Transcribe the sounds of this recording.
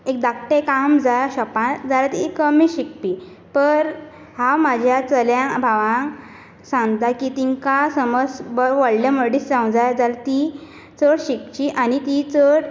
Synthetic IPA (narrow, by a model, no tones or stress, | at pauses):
ek̚d̪akʈekamd͡zaɕɔpãd͡zalat̪ikəmiɕik̚pi | pəɾ | hãwmad͡ʑʱjat͡səljãbʱaʋã | sãŋɡt̪akit̪iŋkasəməsbəʋəɽlaməɽiːst͡sãw̃d͡zajd͡zalt̪i | t͡səɽɕik̚t͡ɕiʔanit̪it͡səɽ